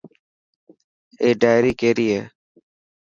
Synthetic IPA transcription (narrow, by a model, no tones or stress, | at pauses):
eːɖaːjɾiːkeːɾiːeː